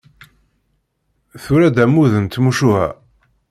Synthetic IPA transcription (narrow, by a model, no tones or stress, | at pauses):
θʊɾæd̪æmuðənt̪muʃuhæ̰